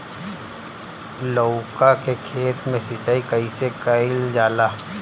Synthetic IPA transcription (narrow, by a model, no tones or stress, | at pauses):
loːkakekʰeːt̪mẽsɪt͡ʃaːikɐisekaɪld͡ʒaːlaː